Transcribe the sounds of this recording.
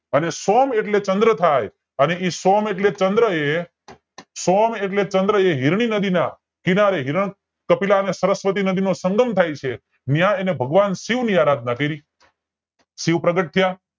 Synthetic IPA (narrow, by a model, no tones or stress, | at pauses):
ənesomeʈlet͡ʃənd̪ɾət̪ʰaj | əneʔisomeʈlet͡ʃənd̪ɾəe | someʈlet͡ʃənd̪ɾəeɦiɾɳ̃inəd̪ina | kinaɾeɦiɾəɳ̃ | kəpilaənesəɾəsʋət̪̬inəd̪inosəŋɡəmt̪ʰajt͡ʃʰe | njãenebʱəɡʋansiʋniaɾad̪̚ʱnakəɾi | siʋpɾəɡəʈ̚t̪ʰija